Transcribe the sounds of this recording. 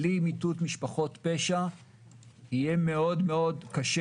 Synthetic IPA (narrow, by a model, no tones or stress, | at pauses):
limitutmiʃpaχo̞tpeʃa | hijeme̞o̞dme̞o̞dkaʃe